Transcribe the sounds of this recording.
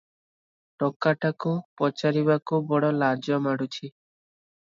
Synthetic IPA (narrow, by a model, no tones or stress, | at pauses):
ʈɔkːaʈakupɔt͡ʃaɾiβakubɔɽɔlad͡ʒɔmaɽut͡ʃʰi